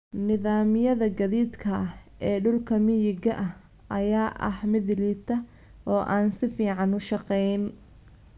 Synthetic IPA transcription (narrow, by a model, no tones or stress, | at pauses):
nɪðaːmɪjɐðɐɡɐðiːd̪kʰɐɛːɖʊlkʰɐmɪjɪɡɐʔɐh | ʔɐjaːʔɐ̰hmɪðɪliːt̪ʰɐ | ʔɔːʔaːnsɪfiːʕɑnʊʃɑqɛjn